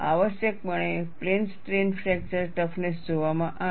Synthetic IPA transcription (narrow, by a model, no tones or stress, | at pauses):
a̰ʋəɕjək̚məɳ̃eplensʈɾenfʰɾɛk̚t͡ɕəɾʈəfnesd͡ʑʱoʋamãʔa